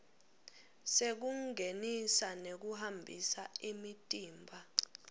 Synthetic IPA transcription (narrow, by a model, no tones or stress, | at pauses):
sek̬uŋʱenisanek̬uɦambʱḭsaimitʼiːmbʱa